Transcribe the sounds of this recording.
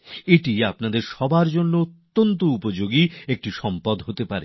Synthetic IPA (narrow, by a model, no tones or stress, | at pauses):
eʈiapnad̪eɾʃɔbʱaɾd͡ʑonːoot̪ːont̪̬oupod͡ʑoɡiek̚ʈiʃɔmpad̪ɦot̪epaɾe